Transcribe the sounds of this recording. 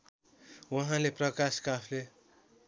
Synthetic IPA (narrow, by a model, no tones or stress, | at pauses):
wʌɦãleprʌkaskapʰle